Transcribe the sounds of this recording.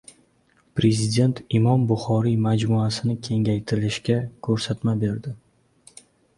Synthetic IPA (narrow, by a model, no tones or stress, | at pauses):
pɾe̞zɪd̪ʲe̞nt̪ʰɪmɒmbʊχɒɾimad͡ʒmuasɪnɪkʲʰe̞ŋʲajt̪ʰɪɾɪlɪʃkʲakʰɵɾsat̪mabe̞ɾd̪ɪ